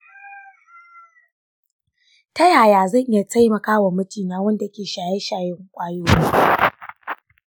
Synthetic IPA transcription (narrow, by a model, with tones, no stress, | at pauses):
tɐ˦jaː˨jaː˨zɐ˦˨ɲʔja˨tʰa˦jmɐ˨kaː˦wa˨mʊ˦tiː˨naː˦wɐ˦nda˨˦kʲeː˨ʃaː˨je˦ʃaː˨jɪ˦ŋkʷʼaː˦joː˦